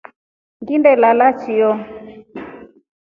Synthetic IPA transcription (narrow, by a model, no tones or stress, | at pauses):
ŋɡindɛlalat͡ʃijɔ